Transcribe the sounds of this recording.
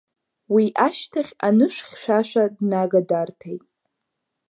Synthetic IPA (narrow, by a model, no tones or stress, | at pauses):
wiʔaʃtʰaχʲanɨʃʷᶣχʲʃʷᶣaʃʷᶣadnaɡadartʰejtʼ